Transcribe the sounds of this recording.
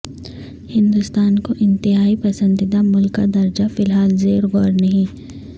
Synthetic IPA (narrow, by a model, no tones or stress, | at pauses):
hɪ̃nd̪ʊst̪aːnkoʔɪ̃nt̪ɪɦaːipɐsə̃nd̪ɪd̪amʊlkːad̪ɐɾd͡ʒafɪlɦaːlzeːɾɡɔːɾnɐɦĩ